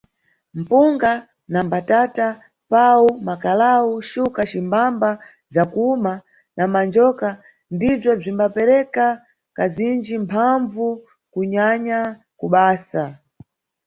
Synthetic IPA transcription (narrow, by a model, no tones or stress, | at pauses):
m̩puŋɡa | nambatata | pawumakalauʃukat͡ʃimbamba | zakuma | namand͡ʒɔka | ndib͡ʐɔb͡ʐimbapɛɾɛka | kazind͡ʒimpʰaɱvu | kuɲaɲa | kuɓaːsa